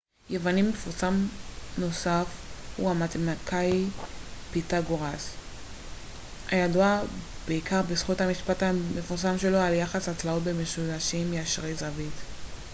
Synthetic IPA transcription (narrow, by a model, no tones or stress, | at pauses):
jevanimefuʁsamno̞safhuamatmakʰaj | pitaɡoʁas | hajaduab̥eikaʁbisχuthamiʃpatamefuʁsamʃe̞lo̞aljaχasat͡slao̞tbemeʃulaʃimjaʃʁejzavit